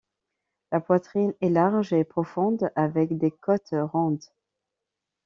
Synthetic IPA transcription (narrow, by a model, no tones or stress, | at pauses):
lapwat̪χinɛlaʁʒepχɔfɔ̃d̪avɛkd̪ekɔt̪ʁɔ̃d̪